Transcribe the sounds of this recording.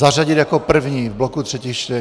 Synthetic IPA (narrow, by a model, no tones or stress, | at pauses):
araɟɪd̪jakopr̩vɲiːvblokut̪r̥ɛciʃt̪ɛ